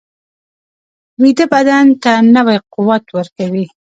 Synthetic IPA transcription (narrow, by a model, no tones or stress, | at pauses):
mid̪əbad̪ant̪anəwajqʊwat̪wəɾkawi